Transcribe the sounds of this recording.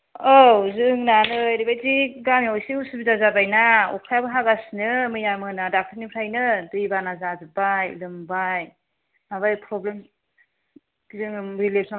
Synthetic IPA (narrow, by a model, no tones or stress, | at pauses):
ozɯŋnanɯjɾibajziɡamjawjsiusibizazabajnaṵkʰajabɯɦaɡasnɯmɯjamɯnadak̚tʰɯɾnipʰɾajnɯdɯjbanazazɯbajlɯmbaj | maβajpʰɾɔblem | zɯŋɾilep̚sa